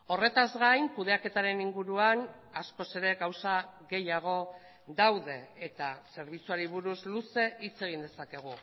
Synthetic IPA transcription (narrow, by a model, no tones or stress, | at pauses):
o̞re̞t̪azɣajŋkuðe̞ake̞t̪aɾe̞niŋɡuɾuan | asko̞se̞ɾe̞ɣawsaɣe̞jaɣ̞o̞ | d̪awðe̞et̪ase̞ɾβ̞it͡suaɾiβ̞uɾuzluse̞ʔit͡se̞ɣ̞ind̪esake̞ɣ̞u